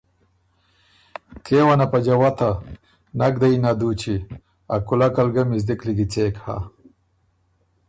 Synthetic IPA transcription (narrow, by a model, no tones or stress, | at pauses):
kʰewanapad͡ʒawat̪a | naɡ̚d̪ainad̪ut͡ʃi | a̰kulakalɡamizd̪ikliɡit͡seːkha̰